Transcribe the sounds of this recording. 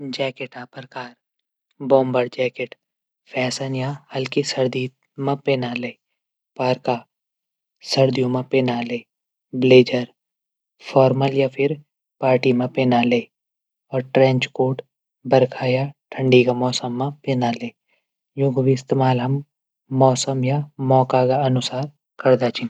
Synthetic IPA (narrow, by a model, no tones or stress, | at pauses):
d͡ʒɛːkeʈaːpɾəkaːɾ | bɔ̃ːmbəɾd͡ʒɛːkeʈ | pʰɛːsənjahɐlkisɐɾd̪i | mãpeːnaleː | paːɾka | sɐɾd̪ijõmãpeːnaleː | bleːd͡ʒəɾ | fʰɔːɾməljapʰɪɾ | paːɾʈimãpeːnaleː | ɔːɾʈɾɛ̃ːɲt͡ʃkoːʈ | bɐɾkʰajaʈʰə̃ɳɖikamɔːsəmːãpeːnaleː | jʊ̃ɡbiɪst̪eːmaːlɦɐmː | ɔːsəmjamɔːkakaɐnʊsaːɾ | kɐɾd̪at͡ʃʰĩ